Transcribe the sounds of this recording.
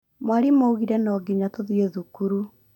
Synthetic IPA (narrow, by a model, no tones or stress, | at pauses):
mwaɾimouɣiɾɛnɔːɡiɲatoðioðukuɾu